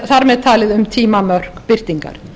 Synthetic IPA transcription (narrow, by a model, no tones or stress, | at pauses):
θaɾmɛðt̪ʰaːlɪðʏmt̪ʰiːmamœr̥kpɪr̥t̪iŋka̰ɾ̥